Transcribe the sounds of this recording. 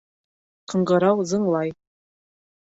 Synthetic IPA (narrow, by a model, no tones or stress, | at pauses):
qɤ̆ɴɢɤ̆ɾɑwzɤ̆ɴlˠɑj